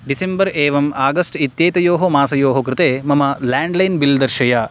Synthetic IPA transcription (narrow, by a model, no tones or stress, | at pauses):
ɖisembɐɾeːʋɐmaːɡɐsʈit̪jeːt̪ɐjoːɦomaːsɐjoːɦokɾɪt̪eːmɐmɐlaːɳɖlɐjnbild̪ɐɾʃɐja